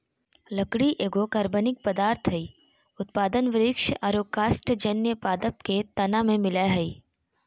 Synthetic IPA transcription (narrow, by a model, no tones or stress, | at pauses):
lɐkɽiʔeːɡokɐɾbənɪk̚pəd̪aːɾt̪ʰɦɐi | ʊt̪̚paːd̪ənʋɪɾɪkʃʔaːɾoːkaːsʈd͡ʒɐnjəpaːd̪əp̚ket̪ɐnamẽmɪlaɦɐi